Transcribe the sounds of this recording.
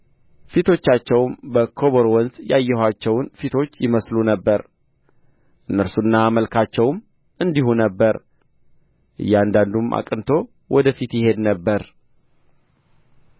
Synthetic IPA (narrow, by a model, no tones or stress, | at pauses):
fit̪ʰo̞t͡ʃːat͡ʃːɛwmbəkʰo̞βoɾwɔnzjajːɛhat͡ʃːɛwnfit̪ʰo̞t͡ʃːjɪməslunəbːəɾ | ʔɨnːəɾsunːaməlkʰat͡ʃːɛwm | ʔɨnd̪ihunəbːəɾ | ʔɨ̰jːɛand̪and̪umʔa̰kʼɨnt̪ʰo̞ | wʔɔd̪əfit̪jɪhe̞d̪nəbːəɾ